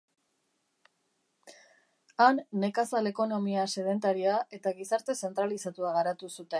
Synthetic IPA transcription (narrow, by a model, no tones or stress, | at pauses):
anːe̞kasale̞ko̞no̞miase̞ðe̞nt̪aɾiaʔe̞t̪aɣisaɾt̪e̞se̞nt̪ɾalisat̪uaɣaɾat̪usut̪e̞n